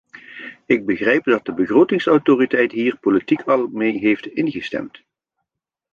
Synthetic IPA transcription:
ɪɡ̚bəχrɛjp̚dɑt̚dəbəχrowtɪŋsɔwtoːritɛjtɦiːrpolitikʰɑlˠmejɦejftɪnɣəstɛ̰mt

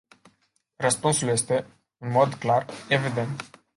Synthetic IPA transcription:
rəspunsulje̞st̪e̞ | ɨnmo̞d̪klare̞vid̪e̞nt̪

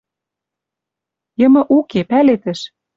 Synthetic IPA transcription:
jɤ̆mɤ̆ʔukepælet̪ɘ̆ʃ

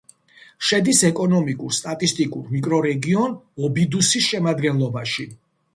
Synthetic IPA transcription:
ʃɛd̪isɛkʼɔnɔmikʼuɾst̪ʼat̪ʼist̪ʼikʼuɾmikʼɾɔɾɛɡiɔnɔbid̪usisʃɛmad̪ɡɛnlˠɔbaʃi

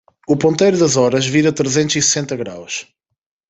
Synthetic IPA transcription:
upõnt̪ejɾuðɐzɔɾɐʒviɾɐt̪ɾezẽnt̪uzisɨ̥sẽnt̪ɐɣɾa̰wʃ

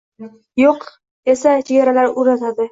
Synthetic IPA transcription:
joq | esat͡ʃʰeɡʲaɾalaɾʊɾat̪ʰad̪ɪ

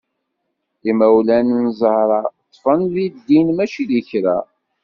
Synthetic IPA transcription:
imæwlænnzˤəhɾˤɑt̪ˤːfənðid̪ːinmæʃiðiçɾæ̰

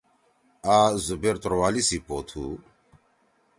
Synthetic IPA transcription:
aːzubeːɾt̪uɾwaːlisipoːt̪ʰṵː

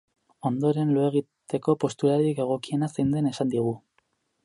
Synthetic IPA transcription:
o̞nd̪o̞ɾe̞nloeɣ̞i | t̪e̞ko̞po̞st̪uɾaɾike̞ɣ̞o̞kie̞nasejnd̪e̞ne̞sand̪iɣ̞u

